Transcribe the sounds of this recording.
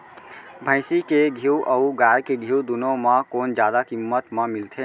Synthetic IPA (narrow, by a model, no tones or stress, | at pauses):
bʱə̃ɪsikeɡʱiwʔəuɡajkeɡʱiwd̪unomãkoːnd͡ʒjaːd̪akimːət̪məmilt̪ʰe